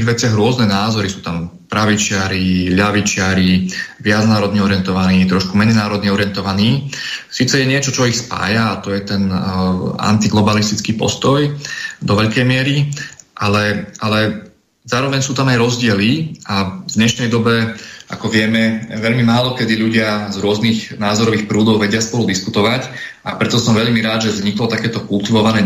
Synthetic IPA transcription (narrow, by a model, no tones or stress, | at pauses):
iɣʋɛt͡sɪaɣɾʊɔznɛnaːzɔɾisuːt̪ampɾaʋit͡ʃɪaɾiʎaʋit͡ʃɪaɾiʋɪad͡znaːɾɔd̪ɲɛɔɾɪɛnt̪ɔʋaniːt̪ɾɔʃkumɛd͡zinaːɾɔd̪ɲɛɔɾɪɛnt̪ɔʋaniːsiːt͡sɛjɛɲɪɛt͡ʃɔt͡ʃɔixspa̰ːjaːt̪ɔjɛt̪ɛn | a̰nt̪iɡlɔbalist̪it͡skiːpɔ̰st̪ɔjd̪ɔʋɛʎkɛjmɪɛɾiʔalɛʔalɛ | zaːɾɔʋɛɲsuːt̪amajɾɔzɟɪɛliavd̪ɲɛʃnɛjd̪ɔbɛa̰kɔʋɪɛmɛʋɛʎmimaːlɔkɛd̪iʎuɟɪazɾʊɔznixnaːzɔɾɔʋiːxpɾuːd̪ɔʊʋɛɟɪaspɔlud̪iskut̪ɔʋacʔapɾɛt̪ɔsɔmʋɛʎmiɾaːd̪ʒɛvzɲiklɔt̪akɛːt̪ɔkult̪iʋɔʋanɛː